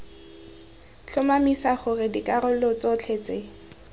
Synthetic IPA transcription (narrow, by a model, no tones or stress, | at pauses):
t͡ɬʰʊmamisaχʊrɪdikʼaɾʊlot͡sot͡ɬʰet͡sʼe